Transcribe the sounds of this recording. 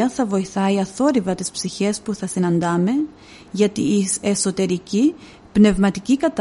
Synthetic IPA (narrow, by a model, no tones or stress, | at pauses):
ɐθɐvo̞iθɐiɐθo̞ɾivɐt̪ispsiçe̞spuθɐsinɐnd̪ɐme̞ | ʝɐt̪ieso̞t̪e̞ɾici | pne̞vmɐt̪icikɐt̪